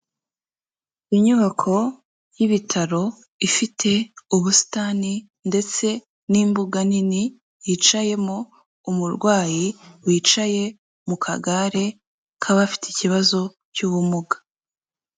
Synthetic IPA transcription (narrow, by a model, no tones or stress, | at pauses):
iɲuβakʰo̞ | jiβitʰaɾo̞ | ifitʰe̞uβusi̥taːni | nde̞t͡se̞ | niːmbuɡanini | jit͡ʃaje̞mo̞ | umuɾɡwaːjiwiːt͡ʃaje̞ | mukʰa̰ɡaɾe̞ | kʰaβafi̥ticiβazo̞ | cuβumuɡḁ